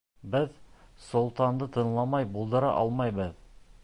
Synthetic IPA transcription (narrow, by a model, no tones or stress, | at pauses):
bɪð | solˠt̪ɑnd̪ət̪ʰɤ̆nlˠɑmɑjbolˠd̪ɤɾɑ̰ʔɑ̰lˠmɑjbəð